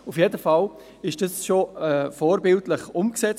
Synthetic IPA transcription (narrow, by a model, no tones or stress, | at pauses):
ufjeːdəfal | ɪʃd̥ɑsʃoɛfoːɾbɪltləχʊmksɛt͡s